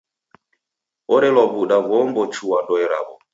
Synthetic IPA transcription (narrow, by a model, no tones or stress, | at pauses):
ɔɾɛlwaβuɗaβɔmbɔt͡ʃuwadɔɛɾa̰βɔ̰